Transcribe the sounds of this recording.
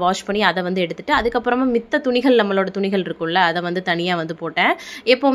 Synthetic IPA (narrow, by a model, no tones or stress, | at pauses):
ʋaːʂpɐɳːiɐðɛʋɐnd̪ɯɛɽɯt̪ːɯʈːɯɐðɯkːɐpːɯɾɐmaːmɪt̪ːɐt̪ʊɳɪɣɐɭnɐmːɐloːɽɐt̪ʊɳɪɣɐɭɪɾɯkːɯ̃mlɐːðɛ̃ʋɐnd̪ɯt̪ɐɳɪjaːʋɐnd̪ɯpoːʈːẽːɪpːoː